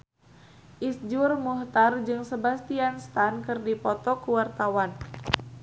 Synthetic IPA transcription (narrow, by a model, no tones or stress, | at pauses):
ʔisd͡ʒʊrmuht̪ard͡ʒɨŋsəbast̪ianst̪ankɨrdipɔt̪ɔkuwart̪awan